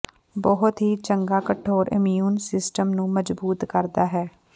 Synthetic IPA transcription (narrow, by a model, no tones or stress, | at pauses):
bɔɦʊt̪ɦiːt͡ʃəŋɡaːkəʈʰːoːɾʔɪ̰mijuːnsɪsʈəmnũːməd͡ʒbuːt̪kəɾd̪aːɦɛː